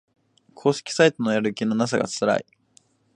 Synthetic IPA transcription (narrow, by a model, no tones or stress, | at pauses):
kʰo̞ːɕe̥kʲi̥sait̪o̞no̞jaɾɯ̟kʲino̞nas̬aɡa̰t͡sɨɾa̰i